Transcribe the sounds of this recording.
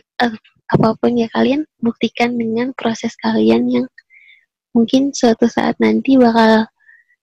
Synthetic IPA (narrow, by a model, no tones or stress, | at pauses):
ə | apapʊnjakalianbuk̚t̪ikandəŋanpɾosɛskalianjaŋ | muŋkɪnswat̪usa̰ʔa̰t̪̚nant̪ibakal